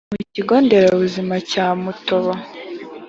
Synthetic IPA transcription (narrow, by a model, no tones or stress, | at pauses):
muciɡo̞ːnde̞ɾaβuzimacaːmutoβo